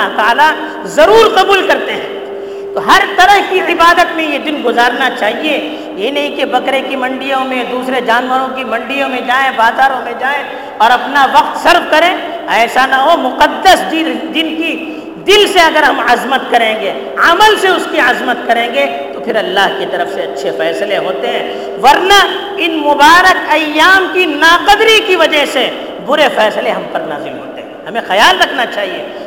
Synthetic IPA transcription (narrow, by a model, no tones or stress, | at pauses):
ɦt̪aaːla | zɐɾuːɾqɐbuːlkɐɾt̪eɦɛ̃ː | t̪oɦɐɾt̪ɐɾəɦkiɪbaːd̪ət̪mẽjed̪ɪnɡʊzaːɾnat͡ʃaːɦie | jenɐɦĩkebɐkɾekimɐ̃ɳɖijõmẽd̪uːsɾed͡ʒaːnʋəɾõkimɐ̃ɳɖijõmẽd͡ʒaːẽbaːzaːɾõmẽd͡ʒaːẽ | ɔːɾɐpnaʋɐqt̪sɐɾʋkɐɾẽ | ɛːsanaɦomʊqəd̪ːəsd̪id̪ɪnki | d̪ɪlseɐɡəɾɦɐmɐzmət̪̚kɐɾẽːŋɡe | ɐməlseʊskiɐzmət̪kɐɾẽːŋɡe | t̪opʰɪɾɐlːaːɦkit̪ɐɾəfseɐtːʃʰefɛːsleɦoːt̪eɦɛ̃ː | ʋɐɾna | ɪnmʊbaːɾəkɐjːaːmkinaːqɐd̪ɾikiʋɐd͡ʒəɦse | bʊɾefɛːsleɦɐmpɐɾna̰ːzɪlɦo̰ːt̪eɦɛ̃ɦɐmẽxɐjaːlɾɐkʰnat͡ʃaːɦieː